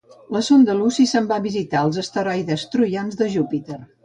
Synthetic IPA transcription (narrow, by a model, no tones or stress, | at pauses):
ləsond̪əlusisəmbaβizit̪aəlˠzəst̪əɾɔjðəst̪ɾujanzðəʒupit̪er